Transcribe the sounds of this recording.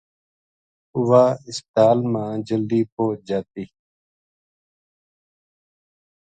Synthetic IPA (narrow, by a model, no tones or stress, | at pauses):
ʊʋaːɪst̪aːlmãːd͡ʒəld̪iːpoːd͡ʒaːt̪iː